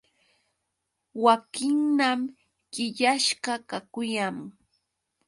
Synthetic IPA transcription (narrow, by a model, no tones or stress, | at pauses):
wakɪŋnam | ɢɪʎaʃɢɑkakʊjaŋ